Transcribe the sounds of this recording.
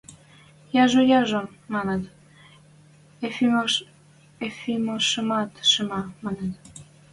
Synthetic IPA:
jɑʒojɑʒom | mɑnet̪ | efim | efimoʃəmɑt̪ʃəmɑmɑnet̪

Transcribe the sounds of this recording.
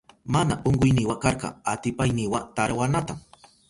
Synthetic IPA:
manaʔoɴɢʊjnɪwakɑɾɢɑ̰at̪ɪpajnɪwat̪aɾwanat̪am

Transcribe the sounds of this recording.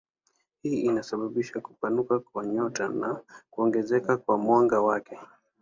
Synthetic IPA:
hiːinasaɓaɓiʃakupanukakwaɲɔtanakuɔŋɡɛzɛkakwamwaŋɡawakɛ

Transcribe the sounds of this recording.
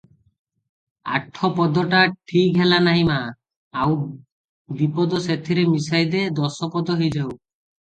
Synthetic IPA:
a̰ʈʰːɔpɔd̪ɔʈaʈʰikɦelanaɦĩmaː | aw | d̪ipɔd̪ɔset̪ʰiɾemisajd̪ed̪ɔsɔpɔd̪ɔɦejd͡ʒaw

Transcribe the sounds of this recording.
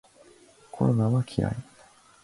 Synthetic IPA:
kʰo̞ɾo̞naβakʲʰiɾa̰i

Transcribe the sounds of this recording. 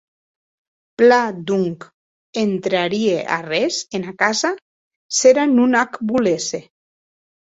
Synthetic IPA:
plad̪uŋk | ent̪ɾaɾieʔa̰rezenakaza | seɾanunakbulese

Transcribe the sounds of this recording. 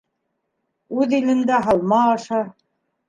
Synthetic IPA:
ʉðinɘ̆nd̪æɦɑlˠmɑːʃɑ

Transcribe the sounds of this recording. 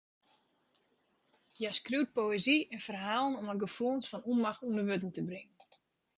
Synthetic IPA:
jaskrywt̚poeziɛnfərɦaːlˠənɔməɡəfuənsfɔnunmaxtundəʋøt̬n̩təbrɪŋən

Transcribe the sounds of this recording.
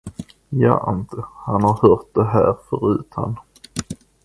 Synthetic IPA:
jɑ̰ːʔɪnt̪ʰəhanhaɾhœːɾʈ̪̚d̪ɛɦæːɾfœɾʉ̟ːt̪ʰha̰n

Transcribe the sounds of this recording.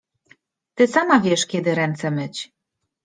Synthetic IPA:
t̪ɘsamavʲjɛʂkʲɛd̪ɘɾɛnt̪sɛmɘt͡ɕ

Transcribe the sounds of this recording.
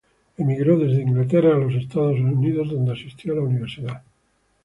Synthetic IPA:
emiɣɾoðe̞zðeiŋɡlat̪eraːlo̞s̬e̞st̪aðos̬niðozðo̞nd̪easist̪jolauniβ̞eɾsiða

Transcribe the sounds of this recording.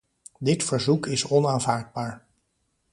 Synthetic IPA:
dɪtfəɹzukɪsɔnaːnvaːɹd̚baːɹ

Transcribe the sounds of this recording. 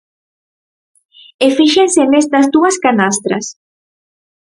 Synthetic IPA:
efiʃensenest̪ɐzðd̪uɐskanast̪ɾɐ̰s

